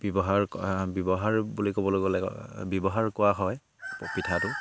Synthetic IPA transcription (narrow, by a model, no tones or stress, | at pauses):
bjɔbɔɦaɹbjɔbɔɦaɹbulikobɔloɡɔlɛ̰bjɔbɔɦaɹkʊwaɦɔj | pitʰatʊ